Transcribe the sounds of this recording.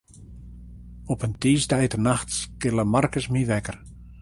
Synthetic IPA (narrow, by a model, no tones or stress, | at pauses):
ɔpəntiːsdɛjtənaxtskɪləmarkəsmiʋɛkər